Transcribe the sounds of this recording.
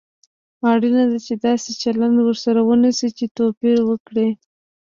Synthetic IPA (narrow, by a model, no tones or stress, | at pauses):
ɑɽinad̪at͡ʃed̪ɑset͡ʃaland̪wəɾsaɾawənisit͡ʃet̪opiɾwəkɽi